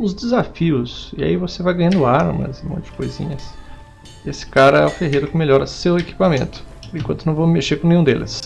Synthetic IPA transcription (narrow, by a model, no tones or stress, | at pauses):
ʊzd͡ʒ̪ɪzafiʊsia̰ivosevajɡɐ̃ɲɐ̃nd̪ʊaɾ̰mɐ̰zɪmõt͡ʃɪd͡ʒ̥ɪ̥kojzḭ̃ɲɐs | esɪ̥kaɾɐɛ̰ʊ̃feɦejɾʊkɪmeʎɔɾɐseweki̥pamḛ̃nt̪ʊ̥ | ẽkwɐ̃t̪ʊnɐ̃w̃vommeʃeɾkõnẽɲũd̪ḛlɪ̰s